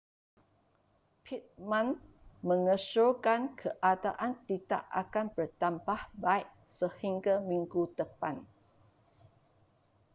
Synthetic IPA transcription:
pʰit̪̚mãn | mə̃ŋəʃokankʰəʔada̰ʔant̪ida̰ʔa̰kanbərt̪ambahbaiʔ̚ | səhiŋɡamĩŋɡud̪əpan

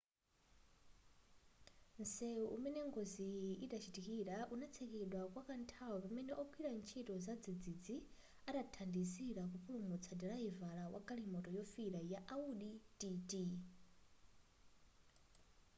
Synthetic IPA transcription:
nsɛuʔumɛnɛŋɡoziiɗat͡ʃʰitikiɺaʔunat͡sʰɛkɛɗwakwakantʰawɔpamɛnɛʔɔkʰwiɾant͡ʃʰitɔzad͡zid͡zid͡zi | aɗatʰandisiɺak̬upuɺumut͡sʰadiɺaivaɺawa̰kaɺimɔtɔjɔfiɾajaʔauɗitʼitʼi

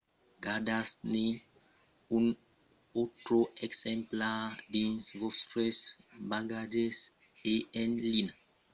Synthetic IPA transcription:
ɡadasne | ũn | otɾoɛksɛ̃mpladĩnsvostɾɛsbaɡad͡ʒɛs | eɛ̃nlin

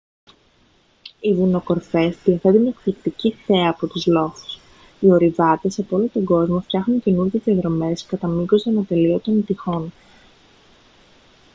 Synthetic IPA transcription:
ivuno̞ko̞ɾfe̞sðiɐθe̞t̪enekplikt̪iciθe̞ɐːpo̞t̪uzlo̞θu̥s | io̞ɾivɐt̪e̞sɐpoo̞lot̪o̞ɡo̞zmo̞ft̪çɐxnunce̞nuɾʝezðiɐðɾo̞me̞skɐt̪ɐmikɡozt̪enɐt̪e̞liot̪o̞nit̪ixo̞n

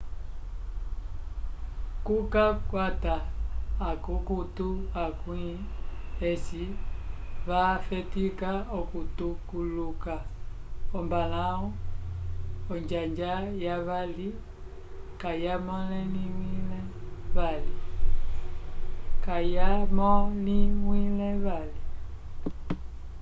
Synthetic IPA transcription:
kukakwataː | kukutuakwiɛsi | βafɛtikaɔkutukuluka | ɔmbalaɔ | ɔɲd͡ʒaɲd͡ʒajaβali | kajamɔlɛlimwilɛβali | kajamɔlimwilɛβali

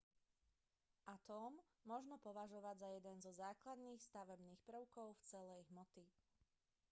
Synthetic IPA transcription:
ʔat̪ɔːmː | ɔʒnɔpɔʋaʒɔʋaɟzajɛd̪ɛnzɔzaːklad̪niːxst̪aʋɛbniːxpɾ̩ʊkɔʊft͡sɛlɛjɦmɔt̪i

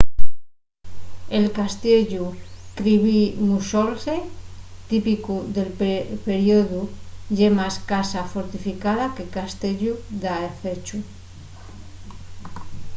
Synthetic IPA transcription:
elkast̪eʎukɾiβimusolset̪ipikuðelppeɾjoðuʎemaskasafoɾt̪ifikaðake̞kast̪eʎuðaeθet͡ʃu

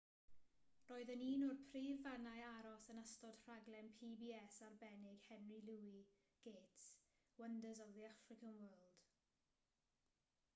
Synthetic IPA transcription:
roːɨðəniːnɔrpʰriːvanajaɾɔsənastɔd̥r̥aɡlɛnpʰiːbiːɛsarbɛnɪɡ̥hɛnrilˠuːi | ɡ̥eːts | wəndəzɔðiafrɪkənwɜːlˠd̥

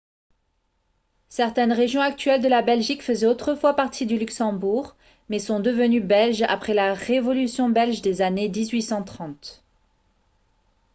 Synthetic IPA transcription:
sɛʁt̪ɛnʁeʒjɔ̃ak̚t̪ɥɛld̪əlabɛlʒikfəzɛot̪χəfwapaʁt̪ʰid̪ylyksɑ̃buʁ | mɛsɔ̃d̪əvənybɛlʒa̰pχɛlaʁevɔlysjɔ̃bɛlʒd̪ezaned̪izɥisɑ̃t̪χɑ̃t̪

